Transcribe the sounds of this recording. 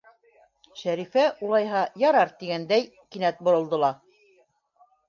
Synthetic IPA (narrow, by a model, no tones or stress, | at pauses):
ʃæɾifæʔulˠɑjɦɑjɑɾɑɾt̪iɡænd̪æj | kinæt̪̚bŏɾɤ̆lˠd̪ɤ̆lˠɑ